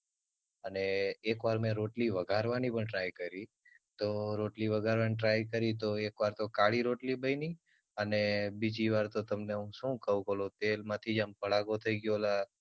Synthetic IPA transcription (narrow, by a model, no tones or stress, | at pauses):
əneːkʋaɾmẽɾoʈliʋəɡʱaɾʋanipəɳʈɾajkəɾi | t̪oɾoʈliʋəɡʱaɾʋaniʈɾajkəɾit̪oekʋaɾt̪okaɭiɾoʈlibəini | ənebid͡ʒiʋaɾt̪ot̪əmneɦũʃũkəũkolot̪elmãt̪ʰid͡ʒampəɭaɡot̪ʰəiɡjola